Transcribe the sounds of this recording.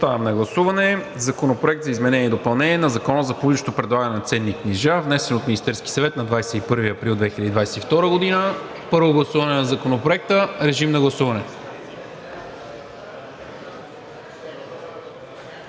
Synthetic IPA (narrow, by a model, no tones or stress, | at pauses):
ost̪anɐmnɐɡlˠɐsuvɐnɛ | zɐkonopɾoɛk̚t̪zɐizmɛnɛnʲiɛd̪opɐlˠnɛnʲiɛnɐzɐkɔnəzɐpuliʃot̪opɾɛd̪lˠaɡɐnɛnɐt̪sɛnːikniʒavnɛsɛnot̪minʲist̪ɛɾskʲi̥sɐvɛt̪nɐd̪vajsɛipɤɾviɐpɾilˠd̪vɛxilʲəd̪id̪vajsɛt̪ift̪ɔɾəɡod̪inə | pɤɾvoɡlˠɐsuvɐnɛnɐzɐkonopɾoɛk̚t̪əɾɛʒimnɐɡlˠɐsuvɐnɛ